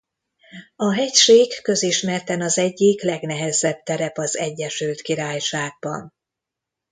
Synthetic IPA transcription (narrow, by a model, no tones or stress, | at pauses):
ɒɦɛcʃeːkːø̞ziʃmɛrt̪ɛnɒzɛɟːiklɛɡnɛɦɛzɛb̚t̪ɛɾɛpɒzɛɟːɛʃylt̪kiɾaːjʃaːɡ̚bɒ̰n